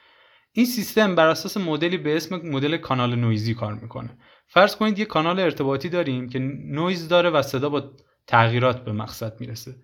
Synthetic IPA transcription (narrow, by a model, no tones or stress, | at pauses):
ʔiːnsist̪e̞mbæɾæsɒːse̞mod̪eliːbe̞esmemod̪e̞lekʰɒːnɒːlenojziːkʰɒːɾmiːkʰo̞̰ne | fæɾz̥kʰo̞niːd̪je̞kʰɒːnɒːleːɾt̪ʰe̞bɒːt̪ʰiːd̪ɒːɾiːmcʰe̞nojzd̪ɒːɾe̞væse̞d̪ɒːbɒː | t̪ʰæɣiːɾɒːt̪ʰbe̞mæ̰ɡsæd̪̥̚mḭːɾese